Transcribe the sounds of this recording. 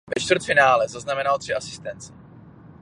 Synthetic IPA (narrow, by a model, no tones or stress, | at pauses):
vɛt͡ʃt̪vərt̪fɪnaːlɛzaznamɛnalt̪r̝̥ɪʔasɪ̥st̪ɛnt͡sɪ̥